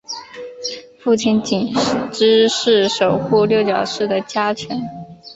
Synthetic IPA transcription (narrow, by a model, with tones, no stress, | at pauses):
fu˥˩t͡ɕʰi˥nt͡ɕi˨˩nʈ͡ʂɻ̩˥ʂɻ̩˥˩ʂo˨˩ʊxu˥˧ljo˥˩ʊt͡ɕjɑ˨˩ʊʂɻ̩˥˩d̪ə˩t͡ɕja˥t͡ɕʰɛ˧˥n